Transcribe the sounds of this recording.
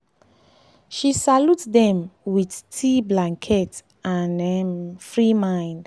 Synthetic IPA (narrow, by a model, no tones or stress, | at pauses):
ʃisalutdɛ̃mwidtʰiblãŋkʰɛt | ãnɛmfɹimãɪ̃nd̥